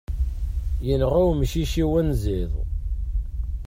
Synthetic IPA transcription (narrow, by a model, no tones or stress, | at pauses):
jənʁæwmʃiʃiwænziðˤ